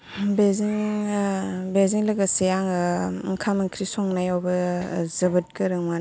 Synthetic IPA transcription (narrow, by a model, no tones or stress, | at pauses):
beziŋ | beziŋlɐɡasejaŋɯŋkʰamɐŋkʰɾisɔŋnajɔwbɯzɐbɯt̚kɯɾɯŋma